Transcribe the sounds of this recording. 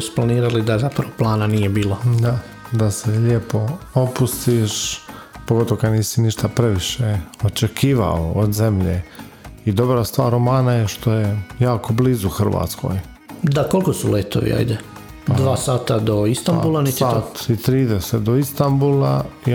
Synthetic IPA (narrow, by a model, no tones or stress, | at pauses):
su̥planiːɾalid̪azapɾaʋoplˠaːnanijebiːlˠod̪a | d̪ase̞ʎepo̞opust̪iʃpoɡo̞t̪oʋokad̪niːsiniʃt̪apɾe̞ʋiʃeot͡ʃekiːʋa̰ood̪ze̞mʎḛ | id̪o̞bɾast̪ʋaːɾomaːnajeʃt̪ʰo̞jejaːkʰo̞bliːzuxr̩ʋa̰ːt̪skʰo̞̰ːj | d̪ako̞lˠkosuleːt̪o̰ʋḭa̰jd̪e | d̪ʋaːsaːt̪ad̪o̞ist̪ambulˠanit̪at̪it̪ɾiːd̪eset̪d̪oist̪ambulˠai